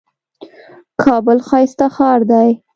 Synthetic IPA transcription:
kʰɑbəlxɑjst̪axɑɾd̪aj

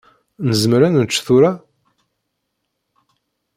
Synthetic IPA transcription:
nəzəmɾænənt͡ʃːθʊɾa

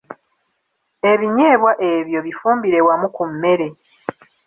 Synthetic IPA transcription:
e̞βiɲeːβwaʔe̞βjo̞βifuːmbiɾe̞wamukumːe̞ɾe̞

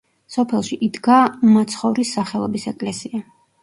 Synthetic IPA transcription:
sɔpʰɛlˠʃiʔid̪ɡamat̪sʰχɔvɾisaχɛlˠɔ̰bisɛkʼlɛsia

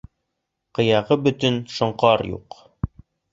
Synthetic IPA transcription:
qɤ̆jɑʁɤbɵ̆t̪ɵnʃŏɴqɑɾjṵq

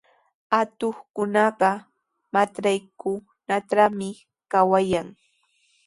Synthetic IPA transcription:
at̪oχkʊnɑɢɑ | mat͡ʃɾajkʊ | naʈ͡ʂamɪ | kawajaŋ

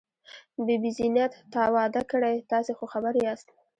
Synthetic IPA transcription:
bibizinjat̪ːɑwɑd̪akəɽajt̪ɑsexoxabaɾeɑst̪

